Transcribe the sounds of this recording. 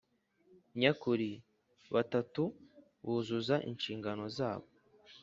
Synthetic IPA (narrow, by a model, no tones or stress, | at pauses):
ɲakuɾi | βatatu | βuːzuzaʔḭnʃiːŋɡano̞zaːβo